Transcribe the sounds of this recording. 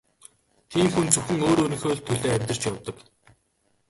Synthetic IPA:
t̪ʰiːmxunt͡sɵxɘ̆ŋoːɾɵɾɵ̆ŋxoːɮt̪ʰːɵɮoːæmʲt̪ə̥̆t͡ɕjawt̪ə̆k

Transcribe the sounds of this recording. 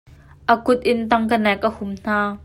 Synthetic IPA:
ʔəkʊt̪̚ʔɪnt̪ɐŋkənɛk̚ʔəhʊmn̥aː

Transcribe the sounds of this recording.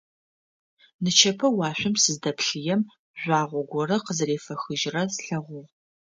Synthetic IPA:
nɨt͡ʃʰɐpʰɐwɑːɕʷɪmsɨzdɐpɬɨjɛm | ʒʷɑːʁʷɔɡʷɔrɐqəzreːfɐxɨʒrɐsɬɐʁʷʊʁ

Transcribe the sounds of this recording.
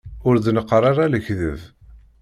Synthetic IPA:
ʊɾðnəqːɾˤaɾˤaləçðə̰v

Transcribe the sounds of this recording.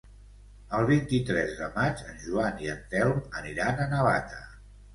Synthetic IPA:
əlˠβ̞int̪it̪ɾɛzðəmat͡ʃənʲʒuaniənt̪ɛlməniɾanənəβat̪ə

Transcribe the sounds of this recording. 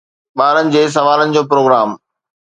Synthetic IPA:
ɓaːɾənɪ̆d͡ʑeːs̬ɐʋaːlənɪ̆d͡ʑoːpɾoːɡɾaːm

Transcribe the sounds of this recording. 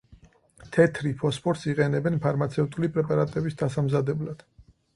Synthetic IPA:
t̪ʰɛt̪ʰɾipʰɔspʰɔɾt̪siqʼɛnɛbɛnpʰaɾmat̪sʰɛvt̪ʼulipʼɾɛpʼaɾat̪ʼɛbisd̪asamzad̪ɛblad̪̥

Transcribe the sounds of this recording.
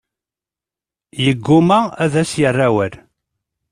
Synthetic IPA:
jəɡːʊmææðæsjərˤːæwæl

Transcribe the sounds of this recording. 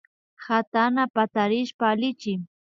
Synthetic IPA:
hat̪anapat̪aɾɪʃpaːlɪt͡ʃɪŋ

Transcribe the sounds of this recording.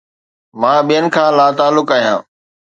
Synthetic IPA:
mãːɓijənɪ̆kʰãːlaːt̪aːlːʊkaːɦijã̰ː

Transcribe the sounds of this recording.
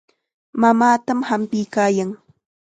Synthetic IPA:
mamaːt̪amhampɪjkaːjaŋ

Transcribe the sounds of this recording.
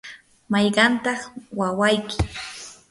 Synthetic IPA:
mɑjɢɑnt̪ɑχwawajkɪ

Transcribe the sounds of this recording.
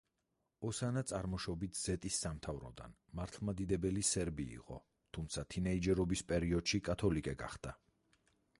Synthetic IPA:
ɔsanat̪sʼaɾmɔʃɔbit̪ʰz̥ɛt̪ʼisːamt̪ʰavɾɔ̰d̪a̰nmaɾt̪ʰlˠmad̪id̪ɛbɛlisɛɾbḭːqʼɔ̰ | t̪ʰumt̪sʰat̪ʰinɛid͡ʒɛɾɔbispʼɛɾiɔd̪̥ʃikʼat̪ʰɔlikʼɛɡa̰χd̪̥a

